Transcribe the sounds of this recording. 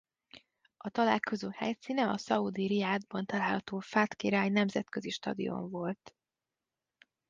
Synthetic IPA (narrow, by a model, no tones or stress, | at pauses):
ʔɒt̪ɒlaːlko̞zoːhɛjsiːnɛɒsɒud̪iɾiaːd̪̚bɒnt̪ɒlaːlhɒt̪oːfaːt̪kiɾaːjnɛmzɛt̪køziʃt̪ɒ̰d̪ḭo̞̰ɱvo̞lt̪